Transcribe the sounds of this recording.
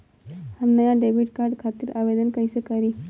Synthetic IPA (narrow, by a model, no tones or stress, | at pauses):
hanːəjaɖebiʈkaɾɖkʰat̪iːɾʔaʋed̪ənkajsəkaɾi